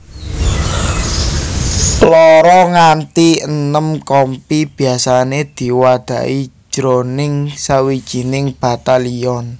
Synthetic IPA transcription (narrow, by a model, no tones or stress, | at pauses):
lɔɾɔŋant̪iənəmkɔmpib̥i̤asaned̪̥i̤wad̪̥ä̤̰ʔi̥ | ʒ̥ɾonɪŋsawid̥ʒ̥i̤nɪŋb̥a̤t̪aliɔn